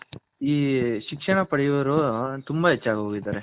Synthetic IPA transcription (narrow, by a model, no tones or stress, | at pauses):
iːʃikʂɐɳɐpɐɽɛjuʋɐɾot̪umbɐɦet͡ʃːaːɡɦoːɡid̪aːɾe